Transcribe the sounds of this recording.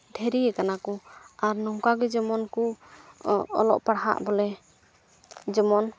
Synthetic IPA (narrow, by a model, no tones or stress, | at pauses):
d̪ʱɛɾiɛkanakɔaɾnɔŋkaɡɛd͡ʒəmɔnku | ɔ̰lɔ̰ʔpaɽɦa̰ʔbɔlɛ | d͡ʒəmɔn